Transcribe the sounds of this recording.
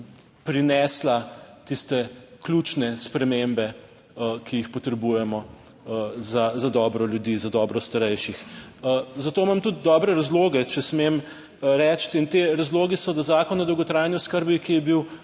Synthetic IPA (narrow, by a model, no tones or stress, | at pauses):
pɾinɛslat̪ist̪ɛklʲut͡ʃnɛspɾɛmembɛ | kʰijixpɔt̪ɾɛbuːjɛmɔ | zazad̪ɔːbɾɔljud̪iːzad̪ɔːbɾɔst̪aɾɛjʃix | zat̪oːmamt̪ut̪̚d̪ɔːbɾɛɾazloːɡɛt͡ʃɛsmem | ɾɛːt͡ʃt̪int̪eɾazloːɡisɔd̪azaːkɔnad̪ɔwɡɔt̪ɾaːjniɔskəɾbikijɛbiw